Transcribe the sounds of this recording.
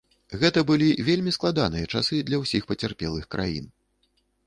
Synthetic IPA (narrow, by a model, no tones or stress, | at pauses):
ɣɛt̪ɐbɨlʲivʲelʲmʲisklˠad̪anɨjɐt͡ʂasɨd̪lʲɐwsʲixpɐt͡sʲarpʲɛlˠɨxkɾʔa̰jḭn